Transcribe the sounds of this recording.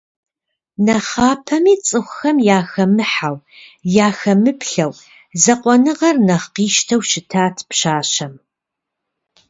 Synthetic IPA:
nɐχaːpʰɐmiːt͡sʼɨxʷʊxɐmjaːxɐmɨħaw | jaːxɐmɨpɬɐw | zɐqʷɔnɨʁɐrnɐχqiːʃtʰɐwʃɪtʰaːtʰpɕaːɕɐm

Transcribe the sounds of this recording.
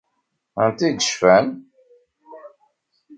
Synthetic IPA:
ənt̪id̪əʃfæn

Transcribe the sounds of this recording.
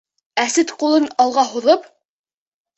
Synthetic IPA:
æsɘt̪qulˠɤnɑlˠʁɑɦuðɤp

